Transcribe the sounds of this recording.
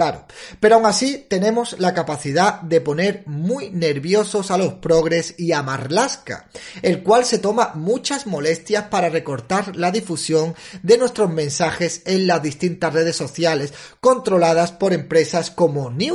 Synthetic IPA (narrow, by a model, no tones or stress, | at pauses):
laɾope̞ɾoawŋasit̪e̞nẽ̞mo̞slakapaθiðad̪e̞po̞ne̞ɾmujne̞ɾβjo̞sosalo̞spɾo̞ɣɾe̞siamaɾlaska̰e̞lkwalse̞t̪o̞mamut͡ʃasmo̞le̞st̪jaspaɾare̞ko̞ɾt̪aɾlaðifusjo̞ŋd̪e̞nwe̞st̪ɾo̞zmẽ̞nsaxe̞se̞nlazðist̪int̪asre̞ð̞e̞sːoθjale̞s | ko̞nt̪ɾo̞lað̞aspo̞ɾe̞mpɾe̞sasko̞moni